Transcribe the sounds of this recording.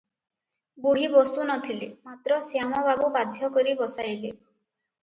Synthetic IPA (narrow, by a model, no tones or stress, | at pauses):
buɽ̤ibosunɔt̪ʰilimat̪ɾɔsijamɔbabubad̪ʱjɔkɔɾibɔsajli